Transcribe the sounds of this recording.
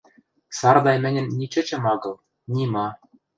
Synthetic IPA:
sɑrd̪ɑjmɘ̆nʲɘ̆nːʲit͡ɕɘ̆t͡ɕɘ̆mɑɡɤ̆lˠ | nʲimɑ

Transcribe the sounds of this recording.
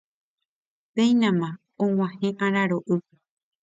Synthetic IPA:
pẽjnãmã | õw̃ʷãhẽʔãɾaɾoʔɨp

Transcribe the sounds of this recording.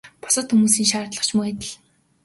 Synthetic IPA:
pɔ̥sə̆t̪xumuːsiːŋʃaːrt̪ɮə̆χt͡ɕʰmuæt̪ɘ̆ɮ

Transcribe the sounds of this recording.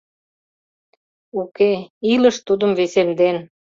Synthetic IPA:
ukeiləʃt̪ud̪əmvesemd̪en

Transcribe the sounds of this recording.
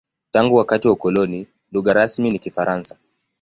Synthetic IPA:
taŋɡuwakatiwaukɔlɔni | luɣaɾasminikifaɾʔansḁ

